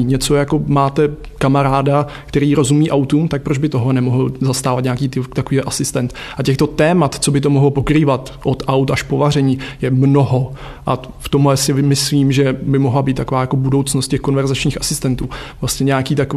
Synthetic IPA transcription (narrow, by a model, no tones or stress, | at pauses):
ɲɛt͡so̞jako̞maːt̪ɛ | kamaɾaːdakt̪ɛɾiːɾo̞zumiːʔawt̪umt̪ak̚pɾo̞d͡ʒbɪt̪oɦlɛnɛmoɦl̩zast̪aːvat̪ɲakiːt̪ɪt̪akoviːɦoʔasɪst̪ɛnt̪ | ʔacɛxt̪o̞t̪ɛːmat̪t͡so̞bɪt̪̬o̞moɦlopokɾiːvat̪ | ʔot̪ʔawt̪aʃpovarɛɲiːjɛmno̞ɦo̞ | ʔa | ft̪omlɛsɪmɪsliːmʒɛbɪmoɦlabiːt̪ːako̞vaːjako̞budo̞wt͡snost̪cɛxko̞nvɛɾzat͡ʃɲiːxasɪst̪ɛnt̪uːvlast̪ɲɛɲɛakiːt̪ako